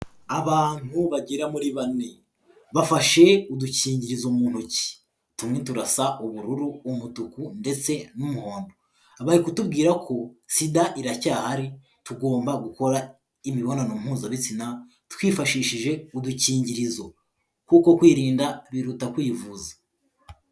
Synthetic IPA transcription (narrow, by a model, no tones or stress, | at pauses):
aβaːn̥huβaɟiɾamuɾiβani | βafaʃe̞uduciːɲɟiɾizomuːn̥huci̥ | tumŋe̞tuɾasaʔuβuɾuɾuːmutukunde̞t͡se̞numuho̞ːndo | aβaɾikutubɡiːɾakʰo̞sidaʔiɾacaːhaɾi | tuɡo̞ːmbaɡuko̞ɾa | imiβo̞nanum̥huːzaβit͡sina | twiːfaʃiːʃiʒe̞uduciːɲɟiɾizo̞ | kuko̞kwiːɾiːndaβiɾutakwiːvuːzḁ